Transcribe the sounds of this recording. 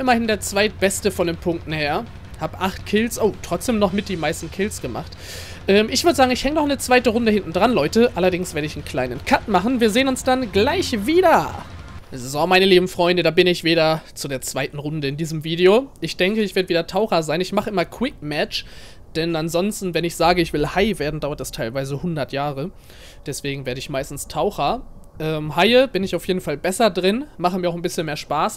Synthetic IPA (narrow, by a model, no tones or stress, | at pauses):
ʔɪmɐhɪndeːɐt͡sv̥aɪt̚b̥ɛstəfɔndeːnpʰʊŋk̚tn̩heːɐ | haːbəʔaχtkʰɪlsʔoːtʁ̥ɔt͡sd̥eːmnɔχmɪt̚d̥iːmaɪstn̩kʰɪlsɡ̥əma̰χt | ʔɛːmɪçv̥ʏɐdəzaːɡŋ̩ɪçhɛŋənɔχʔnət͡sv̥aɪtəʁʊndəhɪntn̩dʁanlɔʏtəʔalɐdɪŋsv̥eːɐɾəɪçn̩kʰl̥aɪnənkʰatmaχn̩viːɐzeːənʊnsd̥anɡlaɪçviːdɐ | zzɔmaɪnəliːbm̩fʁ̥ɔʏndədaːbɪnɪçv̥eːɾɐt͡sudeːɐt͡sv̥aɪtn̩ʁʊndəɪndiːzəmviːdioʔɪçd̥ɛŋkəɪçv̥ɪːɐdəviːdɐtʰaʊxɐzaɪnɪçmaχəʔɪmɐkʰw̥ɪk̚mɛt͡ʃ | d̥ɛnanzɔnstn̩vɛnɪçz̥aːɡəɪçv̥ɪlhaɪveːɐdn̩daʊɐt̚d̥astʰaɪlvaɪzəhʊndɐtjaːʁə | d̥ɛsv̥eːɡŋ̩veːɐɾəɪçmaɪstn̩stʰaʊxɐ | ʔɛːmhaɪəbɪnɪçaʊfjeːdn̩falbɛsɐdʁɪnmaχəmiɐaʊxn̩bɪsçənmeːɐʃpaːs